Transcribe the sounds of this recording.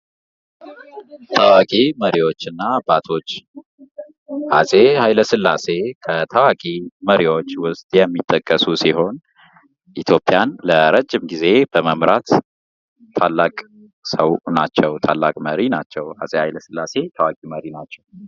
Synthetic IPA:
t̪ʰəwakʼiməɾiwo̞t͡ʃːɨnːabat̪ʰo̞t͡ʃː | ha̰sʼehajləsɨlːa̰se̞kʰət̪ʰəwakʼiməɾiwo̞t͡ʃːwʊst̪ʼjɛmːit̪ʼːəkʼːəsusiɦo̞n | ʔit̪ʰjo̞pʼjanləɾəd͡ʒːɪmɡize̞b̥əməmɾat̪ʰː | alːakʼ | səwna̰t͡ʃːɛwt̪ʰalːakʼməɾinat͡ʃːɛwha̰sʼehajləsɨlːase̞t̪ʰəwakʼiməɾinat͡ʃːɛw

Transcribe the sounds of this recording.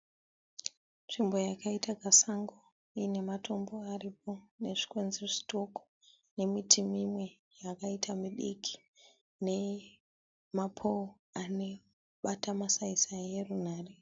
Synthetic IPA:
nt͡ʂimbo̞jakaitaɡʱasaŋɡo | ine̞mato̞mbo̞arip̚o̞ne̞ʐi̥kwenzeʐi̥to̞ko̥ | ne̞mitʰimimwe̞ | jakaitʰamiɗḭkʰi̥ | ne̞ | mapʰo | ane | ɓatamasaisaje̞run̤aːre̞

